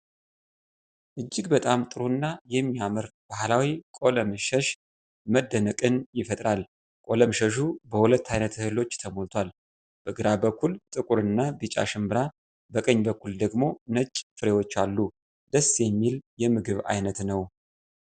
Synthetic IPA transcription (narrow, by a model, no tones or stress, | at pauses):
ʔɨd͡ʒːɪɡbət̪ʼamt̪ʼɨɾunːajɛmːijamɨɾb̥ahlawikʼo̞ləmɨʃəʃ | məd̪ːənəkʼɨnjɪfət̪ʼɾal | kʼo̞ləmʃəʃ̬ubəhulət̪ʰːajnət̪ɨhɨlo̞t͡ʃːt̪ʰəmolt̪ʰwal | b̥əɡɨɾabəkʰːult̪ʼɨkʼuɾɨnːabɨt͡ʃʼa̰ʃɨmbɨɾa | bəkʼəɲːbəkːuld̪əɡmo̞nət͡ʃʼfɨɾewo̞t͡ʃːalːu | d̪̥əsːjɛmːiljɛmɨɡɨβa̰jnət̪nəw